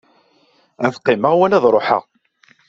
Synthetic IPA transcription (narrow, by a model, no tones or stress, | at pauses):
æθqːɪməʁwænæðɾˤoħə̰ʁ